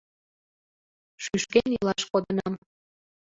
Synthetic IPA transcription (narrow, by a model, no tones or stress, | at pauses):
ʃyʃkenilˠɑʃkod̪ənɑm